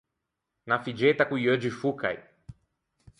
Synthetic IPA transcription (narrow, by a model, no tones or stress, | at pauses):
nafid͡ʒet̪akũjəd͡ʒifuka̰j